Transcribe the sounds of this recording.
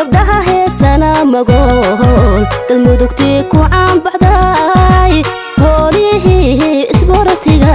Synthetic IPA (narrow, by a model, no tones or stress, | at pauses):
ɡɐb̚ɖɐɦɐɦɛsɐnɐmɐɣɔɦɔnd̪̥ɐlmʊðʊkt̪ʰiːkʰʊʕɑnbɑħd̪ɐj | wɔːlɪɦɪɦɪsbɔɾɐt̪ʰɪɣɐ